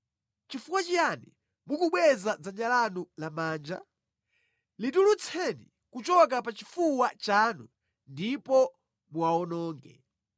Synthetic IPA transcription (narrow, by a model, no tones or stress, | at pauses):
t͡ʃifuwat͡ʃijani | mukuɓwɛzad͡zaɲalanulamaːnd͡ʒa̰ | litulut͡sʰɛni | kut͡ʃɔk̬apat͡ʃifuwat͡ʃaːnu | ndipɔ | muaɔnɔːŋɡɛ̰